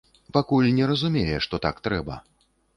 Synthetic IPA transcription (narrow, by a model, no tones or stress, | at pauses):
pakulʲnʲɛɾɐzumʲejɛʂt̪ɔt̪a̰kt̪ɾɛbɐ̰